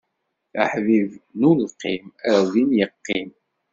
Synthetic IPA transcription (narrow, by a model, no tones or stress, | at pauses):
ə̰ħvivnulqːimæɾðinjəqːim